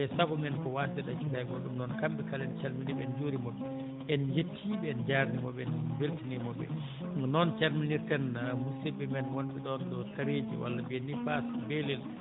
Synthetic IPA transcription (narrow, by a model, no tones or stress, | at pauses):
ɛsaɡɔmɛnkɔwasɛɗat͡ʃukajɡɔɗumnɔnkambɛkalɛnt͡ʃaɾminibɛnd͡ʒoɾimɔɗum | ʔɛnjetʰːibɛɛnd͡ʒaɾnimɔbɛnbeltinimɔɓɛ̰ | nɔnt͡ʃaɾminiɾtɛnmusibɛmɛnwonɓɛɗɔnɗɔtaɾed͡ʒḭwʔa̰lːabiɛnifasbelɛl